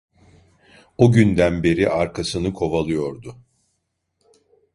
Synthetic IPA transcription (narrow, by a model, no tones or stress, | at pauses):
oɟynd̪ænbe̞ɾiʔaɾkʰasɯnɯkʰo̞valˠɯjo̞ɾd̪ʊ